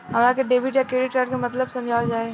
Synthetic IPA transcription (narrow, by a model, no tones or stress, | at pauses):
ɦɐmɾakeɖeːbʱiʈjakɾeːɖɪʈkaʈkemɐt̪ləbsɐmd͡ʒʱaːld͡ʒaːe